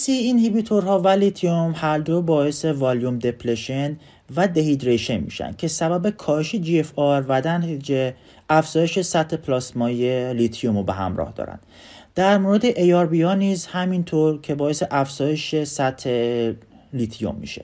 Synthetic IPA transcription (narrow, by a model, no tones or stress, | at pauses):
siinhibit̪ʰoɾɦɒːvælit̪ʰijomhæɾd̪o̞bɒːe̞sevɒljumd̪e̞pʰleʃen | væd̪eɦid̪ɾeʃenmḭːʃæ̰nd̪̚cʲʰesæbæbe̞kʰɒːheʃed͡ʒiefɒɾvæd̪æne | æfz̥ɒːje̞ʃe̞sæt̪ʰhe̞pʰlɒːsmɒjelit̪ʰijomobeɦæ̰mɾɒ̰ːhd̪ɒ̰ːɾæ̰nd̪ | d̪̥æɾmoːɾed̪eʔejɒɾbijɒːniːzhæmint̪ʰoɾcʰe̞bɒːese̞ʔæfz̥ɒːje̞ʃesæt̪ʰːe | lit̪ʰijo̰mːḭːʃḛ